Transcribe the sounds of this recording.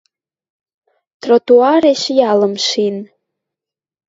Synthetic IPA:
tʰrotuareʃjaləmʃin

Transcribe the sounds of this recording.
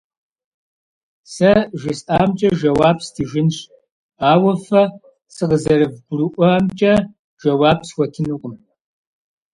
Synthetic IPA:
sɐʒɪsaːmt͡ʃʼɐʒɐwaːbstʰiːʒɪnɕ | aːwɐfɐ | sɨqəzɐɾɨvɡʷrɨʔʷɔamt͡ʃʼɐ | ʒ̥ɐwaːbswʷɔtʰɨnɨqʷʼʊm

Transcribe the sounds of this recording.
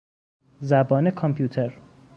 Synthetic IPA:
zæbɒːnekʰompʰjuːt̪ʰeɾ

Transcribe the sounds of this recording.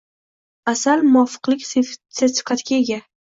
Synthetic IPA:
asalmʊɒfɨ̥qlɪkʲsesfɪ̥kʲat̪kʲaeɡʲa

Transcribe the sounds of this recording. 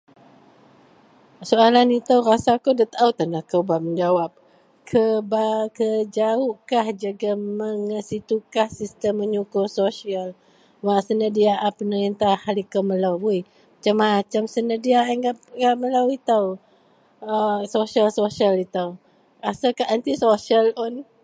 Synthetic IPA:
soalanit̪əwrasakodət̪aʔawt̪ənakəwbaməɲd͡ʒawap̚ | kʰəbakəd͡ʒaʊʔkahd͡ʒaɡaməŋəsit̪ukahsist̪əmːəɲukʊrsosial | wasənədiaʔapənəɾint̪ahalikaməlawuj | mat͡ʃamːat͡ʃamsənəhdiaaŋɡapɡaʔməlawit̪aw | əsosialsosialit̪aw | rasakaant̪isosialɔn

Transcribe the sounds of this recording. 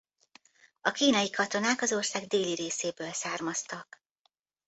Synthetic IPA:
ɒkiːnɒjikɒt̪o̞naːkɒzo̞rsaːɡd̪eːliɾeːseːbøːlsaːrmɒst̪ɒk

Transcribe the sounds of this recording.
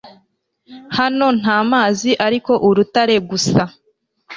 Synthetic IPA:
hano̞n̥aːmaːziʔaɾiko̞ʔuɾutaɾe̞ɡusa

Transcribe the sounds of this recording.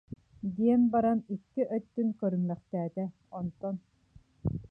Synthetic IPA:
d̪iɛnbaɾanikːiʔœt̪ːyŋkœɾymlœχt̪ɛːt̪ɛ | ɔnt̪ɔn

